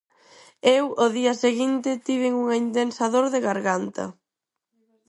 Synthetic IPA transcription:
ewoðiɐseɣint̪ɪt̪iβ̞ɪŋuŋɐind̪ensaðoɾðeɣaɾɣant̪ɐ̰

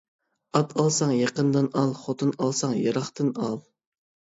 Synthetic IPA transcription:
ɑt̪ʰɑlˠsɑŋjɑqənd̪ɨnɑlˠχot̪ʰɨnɑlˠsɑŋjɑɾɑχt̪ɨnɑlˠ

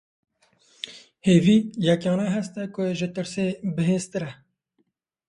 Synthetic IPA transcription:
heːviːjɛkɑːnɛɦɛst̪ɛkʊʒɪt̪ɨɾseːbɨɦeːst̪ɨɾɛ

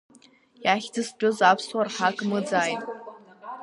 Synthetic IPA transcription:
jaχʲd͡zɨst͡pʷᶣʼʊzapʰswarħakʼmɨd͡zaːjtʼ

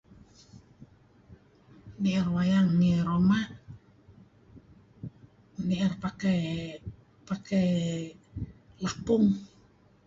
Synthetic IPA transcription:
niɛrwajaŋːiɾoma | niɛrpakɛ | pakɛ | lapuŋ

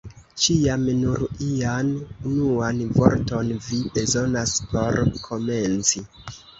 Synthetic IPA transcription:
t͡ʃiamnuɾianunuanvo̞̰ɾto̞nvibe̞zo̞naspo̞ɾkʰo̞me̞nt͡si

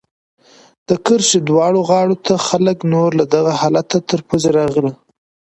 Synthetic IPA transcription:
d̪̥əkəɾʃed̪wɑɽoɣɑɽot̪ʰaxaləknoɾlad̪aɣahɑlat̪at̪əɾpozeɾɑɣəli

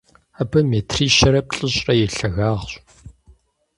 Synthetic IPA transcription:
abɐmeːtʰriːʃɐɾɐp̚ʼɬʼɨɕʼrɐjɪɬɐɣaːʁɕʼ

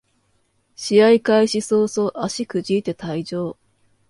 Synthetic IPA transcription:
ɕiaikaiɕisoːso̞ːʔaɕikɯ̟ʑiːt̪e̞t̪aid͡ʑo̞ː

